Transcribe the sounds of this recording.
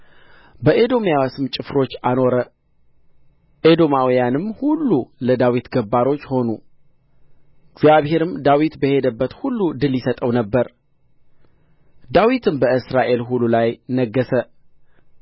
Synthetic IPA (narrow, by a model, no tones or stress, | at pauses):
bəʔed̪o̞mjawasɨmt͡ʃʼɨfɾo̞t͡ʃːano̞ɾə | ʔed̪o̞mawijanɨmhulːuləd̪awit̪ɡəbːaɾo̞t͡ʃːho̞nu | ɡzjaβhe̞ɾɨmd̪awit̪bəhe̞d̪əbːət̪hulːud̪ɨljɪsət̪ʼəwnəbːəɾ | d̪awit̪ʰɨmbəɨsɾaʔe̞lɦululajnəɡːəsə